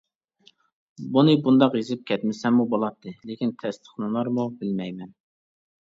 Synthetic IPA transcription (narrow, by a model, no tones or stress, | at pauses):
bunɨbund̪ɑqjezɪp̚kʲʰɛt̪mɪsɛmːubolˠɑt̪ʰːɨlekʲint̪ʰɛst̪ʰə̥χnɨlˠɑɾmubɪlmɛjmɛn